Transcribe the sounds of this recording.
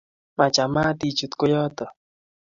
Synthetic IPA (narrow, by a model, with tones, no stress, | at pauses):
ma˨t͡ʃa˨ma˦t̪i˨t͡ʃu˨t̪ko˦jɔ˦t̪ɔ˨